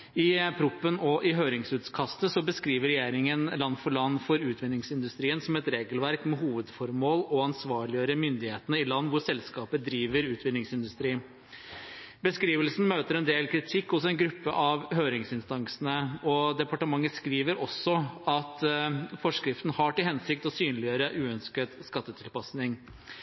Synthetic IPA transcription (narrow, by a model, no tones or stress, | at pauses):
ɪpʰɾʊpːənɔʔɪɦøːɾɪŋsʉːt̪skʰɑst̪əsɔbəskɾiːʋəɾɛjeːɾɪŋənlɑnːfɔɭɑnːfɔɾʉːt̪ʰʋɪnɪŋsɪnd̪ʉst̪ɾiːənsɔmɛt̪ɾeːɡəlʋæɾkmɛɦuːʋəd̪fɔɾmoːlɔɑnsʋɑːɭɪjəɾəmʏnd̪ɪheːt̪ənəɪlɑnːʋʊsɛlskɑːpəd̪ɾiːʋəɾʉːt̪ʰʋɪnɪŋsɪnd̪ʉst̪ɾiː | bəskɾiːʋəlsn̩møːt̪əɾɛnd̪eːlkʰɾɪt̪ʰɪkːɔsɔɛnɡɾʉpːəʔɑʋhøːɾɪŋsɪnst̪ɑŋsənəɔd̪ɛpɑʈəmɑŋːəskɾiːʋəɾɔsːɔɑt̪fɔʂkɾɪft̪n̩hɑʈɪlhɛnsɪkt̪ɔsyːnlɪøːɾəʔʉːœnskət̪skɑt̪ːət̪ʰɪlpɑsnɪŋ